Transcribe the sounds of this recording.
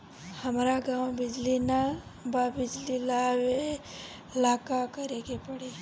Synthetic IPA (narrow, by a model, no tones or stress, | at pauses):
həmɾaɡãwbɪd͡ʒlinababɪd͡ʒlilawe | laːkakəɾeɡepəɽi